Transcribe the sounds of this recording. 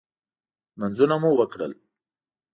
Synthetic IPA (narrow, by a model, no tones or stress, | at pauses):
manzunamuwəkɽə̰l